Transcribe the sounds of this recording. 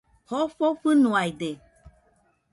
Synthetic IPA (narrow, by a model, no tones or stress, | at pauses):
hɔfofɨnũaide